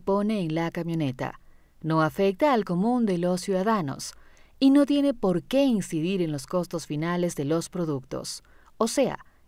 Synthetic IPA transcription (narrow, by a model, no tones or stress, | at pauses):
po̞ne̞ːnlakamjo̞ne̞t̪a̰ | no̞afe̞k̚t̪aːlko̞mũnd̪e̞lo̞sːjuðaðano̰sino̞t̪je̞ne̞po̞ɾke̞insiðiɾe̞nlo̞sko̞st̪o̞sfinale̞zðe̞lospɾo̞ðuk̚t̪o̞̰s | ose̞a̰